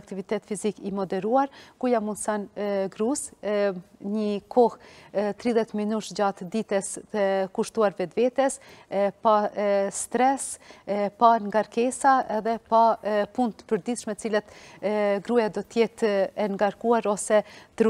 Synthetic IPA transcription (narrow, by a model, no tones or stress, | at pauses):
k̚t̪ivit̪ɛt̪fizikimɔd̪ɛɾuaɾkujamunsanɡɾus | ɲəkʰɔht̪ɾiðjɛt̪minuʃd͡ʑat̪d̪it̪ɛsəkuʃt̪uaɾvɛd̪vɛt̪ɛspast̪ɾɛspaŋɡaɾkɛsaɛðɛpapunt̪pəɾd̪it̪ʃmɛət͡silat̪ɡɾujad̪ɔt̪jɛt̪ɛŋɡaɾkuaɾɔsɛt̪ɾ